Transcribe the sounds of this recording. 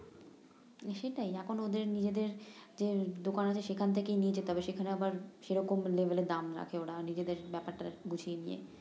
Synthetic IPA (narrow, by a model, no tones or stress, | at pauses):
ʃeʈajɛkʰonod̪eɾnid͡ʑed̪eɾd͡ʑed̪okanat͡ɕʰeʃekʰant̪ʰekejnijet͡ɕʰet̪ɔbeʃekʰaneabaɾʃeɾɔkomlebʱeled̪amɾa̰kʰeoɽanid͡ʑed̪eɾbɛpaɾʈaɡut͡ɕʰienijḛ